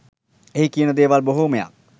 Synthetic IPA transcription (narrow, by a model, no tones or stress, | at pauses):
eɦikiːnəd̪eːʋaːlboɦomeja̰ː